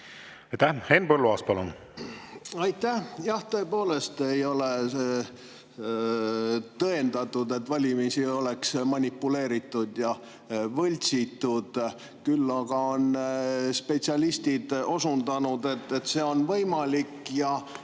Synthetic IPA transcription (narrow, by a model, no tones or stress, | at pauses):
ɑjt̪ːæhenpɤlːuɑːst̪pɑlṵn | ɑjt̪ːæhjɑht̪ɤ̞epo̞ːle̞st̪e̞jo̞le̞ | t̪ɤend̪ɑt̪ːˑud̪e̞t̪ːvɑlʲimisio̞le̞ksmɑnʲipːule̞ːɾit̪ːˑud̪̥jɑ | vɤlʲt̪sit̪ːˑud̪̥ | kylːɑɡ̥ɑo̞nspe̞t̪siɑlist̪id̪̥o̞sund̪ɑnud̪e̞t̪ːet̪se̞o̞nvɤjmɑlikːjɑ